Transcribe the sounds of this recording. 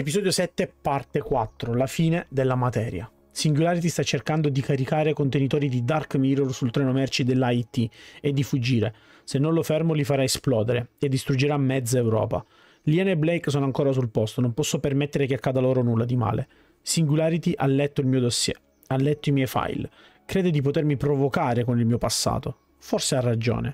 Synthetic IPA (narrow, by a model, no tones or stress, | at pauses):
epizɔːd̪josɛt̪ːepart̪ekwat̪ːɾolafiːned̪elːamat̪ɛːɾja̰ | siŋɡulaːɾit̪̬ist̪at͡ʃːerkand̪od̪ikaɾikaːɾekont̪enit̪ɔːɾid̪id̪arkmiɾorsult̪ɾɛːnomɛrt͡ʃid̪elːajt̪ːied̪ːifud͡ʒːiːɾe | senːõnlofɛrmolifaɾaesplɔːd̪eɾeed̪ːist̪ɾud͡ʒeɾamːɛd̪zːaewɾɔ̰ːpa̰ | liɛneblɛjks̬oːnoaŋkoːɾas̬ulpɔst̪onompɔsːopermet̪ːeɾekeakːaːd̪aloːɾonulːad̪ima̰ːlḛ | siŋɡulaːɾit̪iʔalːɛt̪ːoilmiːod̪osːjɛ̰ | alːɛt̪ːoimjɛjfa̰jl | kɾeːd̪od̪ipot̪ermipɾovokaːɾekonilmiːopasːa̰ːt̪o | forsearːad͡ʒo̰ːne